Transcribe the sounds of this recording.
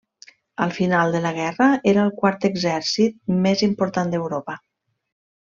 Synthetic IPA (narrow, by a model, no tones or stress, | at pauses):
əlˠfinalˠd̪ələɣɛrəeɾəəlˠkwaɾt̪əɡzɛɾsit̪̚mezimpuɾt̪and̪əwɾopə